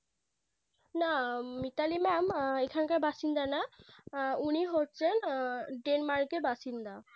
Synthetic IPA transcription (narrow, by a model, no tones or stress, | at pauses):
namit̪alimɛmekʰankaɾbaʃind̪ana | uniɦotːɕʰenɖenmaɾkebaʃind̪a